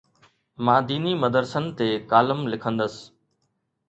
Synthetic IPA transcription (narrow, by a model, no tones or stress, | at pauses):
mãːd̪iːnimɐd̪əɾsənt̪eːkaːləmlɪkʰə̃nd̪əs